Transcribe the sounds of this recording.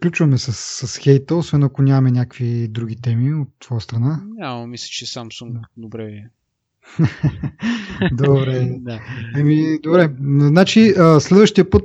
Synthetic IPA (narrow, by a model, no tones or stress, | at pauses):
klʲut͡ʃvɐmɛsəsːəsxɛjt̪əosvɛnɐkonʲamɛnʲakəkvid̪ɾuɡ̟ʲit̪ɛmiot̪ːv̥ɔjəst̪ɾɐnaɲaməmislʲə̥t͡ʃɛsamsuŋk̪d̪obɾɛviɛ | d̪obɾɛd̪aɛmid̪obɾɛznat͡ʃiəslɛd̪vəʃt̪ijəpɤt̪